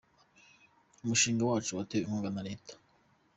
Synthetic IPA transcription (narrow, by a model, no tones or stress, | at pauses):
umuʃiːŋɡawaːt͡ʃuwatewimhuːŋɡanaɾe̞ːtʰḁ